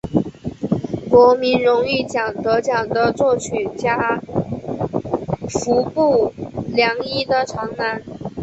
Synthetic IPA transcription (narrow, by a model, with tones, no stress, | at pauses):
kwɔ˧˥mi˧˥nɻʊ˧˥ŋy˥˩t͡ɕjɑ˨˩ŋt̪ɤ˧˥t͡ɕjɑ˨˩ŋd̪ə˦t͡swɔ˥˩t͡ɕʰy˨˩nt͡ɕja˥ | fu˧˥pu˥˩ljɑ˧˥ŋi˥d̪ə˨ʈ͡ʂʰɑ˧˥ŋna˧˥n